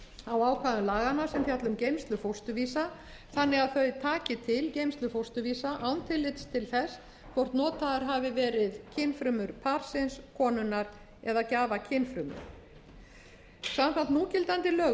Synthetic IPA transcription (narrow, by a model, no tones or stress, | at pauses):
awaːwkʰvaːðʏmlaːɣanːasɛmθjat̪lʏmcejmst̪lʏfowst̪ʏviːsa | θanːɪɣaðθœɥðt̪ʰaːcɪt̪ʰɪlcejmst̪lʏfowst̪ʏviːsaʔawnt̪ʰɪlːɪt̪st̪ʰɪlθɛs | kʰvɔwɾ̥t̪nɔːt̪aðaɾ̥ɦavɪvɛːɾɪðcʰɪnfɾʏmʏɾ̥pʰaɾ̥sɪnskʰɔːnʏnaɾ | ɛ̰ðacaːvacʰɪnfɾʏmʏ̰ɾ̥ | samkʰant̪nuːcɪlt̪ant̪ɪlœː